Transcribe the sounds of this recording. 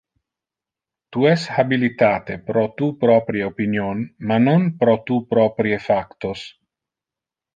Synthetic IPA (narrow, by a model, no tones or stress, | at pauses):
t̪uɛshabilit̪aːt̪epɾɔt̪upɾɔpɾjeopinjonmanonpɾɔt̪upɾɔpɾiefakt̪os